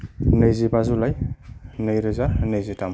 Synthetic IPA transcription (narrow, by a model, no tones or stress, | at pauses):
nəjzibazulajnəjɾɯzanəjzitam